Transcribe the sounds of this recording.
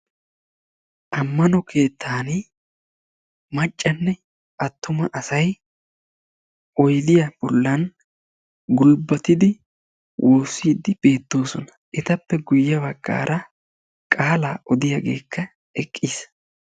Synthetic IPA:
ʔɐmːɐnɔkʰe̞ːt̪ʰːaːni | mɐt͡ʃʼːɐnːɛ | ʔɐt̪ːʊmɐʔɐsɐj | ʔɔjd̪ɪjɐb̥ɔlːɐn | ɡʊlbɐt̪ɪd̪ɪ | wʔo̞ːsːiːd̪ɪb̥e̞ːt̪ːo̞ːsɔnɐ̥ʔɪt̪ɐpːɛɡʊjːɐbɐɡ̥ːa̰ːɾʔɐ | kʼaːlaːʔɔd̪ɪjɐɡe̞̰ːkʰːɐ | ɛkʼːiːs

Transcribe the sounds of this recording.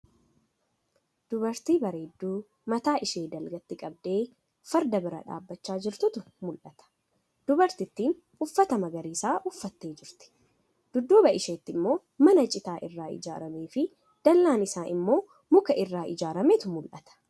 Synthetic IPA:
d̪̥ʊbɐɾt̪iːbɐɾeːd̪ːuː | mɐt̪aːʔɪʃe̞ːd̪ɐlɡɐt̪ːɪkʼɐb̚d̪eː | fɐɾd̪ɐbɪɾɐ̰ᶑa̰ːbːɐt͡ʃːaːd͡ʒɪɾt̪ʊt̪ʊ | mʊlʔɐt̪ɐ̥ | d̪̥ʊbɐɾt̪ɪt̪ːiːn | ʊfːɐt̪ɐmɐɡɐɾiːsaːʔʊfːɐt̪ːe̞ːd͡ʒɪɾt̪ɪ̥ | d̪̥ʊd̪ːoːbɐʔɪʃeːt̪ːɪmːo̞ː | mɐnɐt͡ʃʼɪt̪aːʔɪrːaːʔɪ̰d͡ʒa̰ːɾɐmeːfɪ | d̪̥ɐlːaːnɪsaːʔɪmːo̞ː | mʊkɐʔɪrːaːʔɪd͡ʒaːɾɐmeːt̪ʊmʊlʔɐt̪ɐ̥

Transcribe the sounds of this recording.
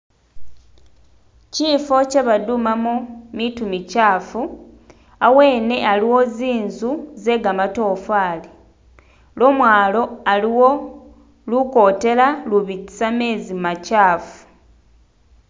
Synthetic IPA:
ciːfo̞ce̞βadumamomitumicaːfu | awe̞ːne̞aliwo̞ziːnzuze̞ɡamato̞ːfaːli | lo̞mwaːlo̞aliwo̞ | luko̞ːte̞laluβiti̥same̞ːzimacaːfu̥

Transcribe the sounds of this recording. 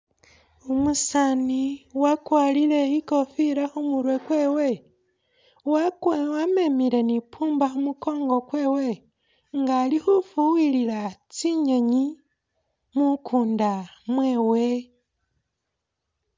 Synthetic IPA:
umusaniwakwaːlile̞iko̞fiɾaxumuɾwe̞kwe̞ːwe̞ | wakwame̞miɾe̞nipʰuːmbaxumuko̞ːŋɡo̞kwe̞ːwe̞ | ŋɡaːlixufuwililat͡siɲe̞ɲi | mukʰuːndamwe̞ːwe̞

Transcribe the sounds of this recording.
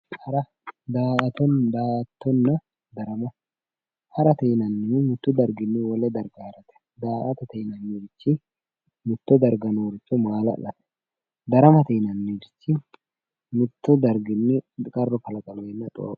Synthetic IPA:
hɐɾɐ | d̪aːɐt̪ɔnd̪aːʔɐt̪ːɔnːɐ | d̪ɐɾɐmɐ | hɐɾɐt̪ɛjnɐnːɪɪmʊt̪ːʊd̪ɐɾɡɪnːɪwɔlɛd̪ɐɾɡaːɾɐt̪ɛ̥ | d̪aːʔɐt̪ɐt̪ɛnɐnːid͡ʒɪt͡ʃːɪ | mʊt̪ːɔd̪ɐɾɡɐnoːɾɪt͡ʃːɔmaːlɐ̰lɐt̪ɛ̥ | d̪ɐɾɐmɐt̪ɛnɐnːid͡ʒɪt͡ʃːɪ | mʊt̪ːɔd̪ɐɾɡɪnːɪkʼɐrːɔkɐlɐkʼɐleːnːɐt̪ʼo̰ː

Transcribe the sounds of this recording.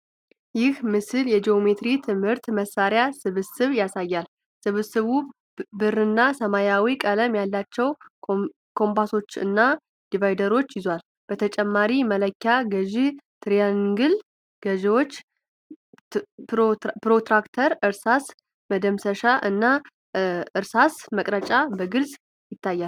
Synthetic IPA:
jɪhmɨsɨljɛd͡ʒijo̞me̞t̪ɾit̪ʰɨmhɨɾt̪məsːaɾjasɨβɨsɨβjasajːal | sɨβsɨβu | bɨrɨnːasəmajawikʼələmjalːat͡ʃːɛw | kʰo̞mpaso̞t͡ʃːɨ̰nːa | d̪̥ivajd̪əɾo̞t͡ʃːjɪzwal | b̥ət̪ʰət͡ʃʼɛmːaɾimələkʰːaɡəʒit̪ʰɾijanɡɨl | ɡ̥əʒɛwo̞t͡ʃː | pɾot̪ɾakt̪ʰəɾɨɾsas | məd̪əmsəʃaʔɨnːa | ɨɾsasməkʼɾət͡ʃʼabəɡɨlz | jɪt̪ʰːajːal

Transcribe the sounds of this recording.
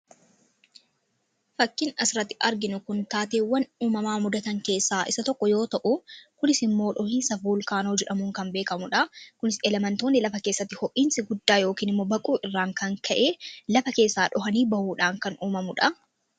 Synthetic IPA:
fɐkːɪnɐsɪɾɐt̪ːɪʔɐɾɡɪnʊkʊnt̪aːt̪eːwːɐnuːmɐmaːmʊd̪ɐt̪ɐŋke̞ːsːaːʔɪ̰sɐt̪ɔkːɔjo̞ːt̪ɐʔʊkʊnɪsɪmːo̞ːᶑɔhiːnsɐfuːlkaːnoːd͡ʒɛᶑɐmuːŋkɐmbe̞ːkɐmʊᶑɐkʊnɪsɛlɛmɐnt̪o̞ːnːɪlɐfɐke̞ːsːɐt̪ːɪhɔʔiːnsɪɡʊd̪ːaːjoːkiːnɪmːo̞ːbɐkʼuːɪrːaːŋkɐŋkʰɐʔeːlɐfɐke̞ːsːaːᶑɔɦɐniːbɐhuːᶑaːŋkɐnuːmɐmʊᶑɐ

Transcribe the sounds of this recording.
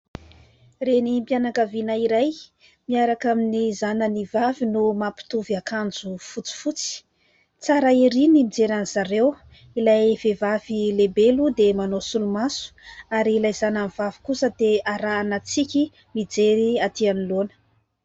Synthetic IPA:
renimpjanakavinaiɾaj | miaɾakaminizanənivavinumapi̥t̪uviakand͡zufut͡si̥fut͡si̥ | t͡saɾaiɾinimid͡zeɾaniz̥aɾew | ilajv̥evavilebelud̪emanosulumasu̥aɾiːlajzanamivavi̥kusəd̪eaɾaːnat͡sikʲi | mid͡zeɾiat̪ianilonə̥

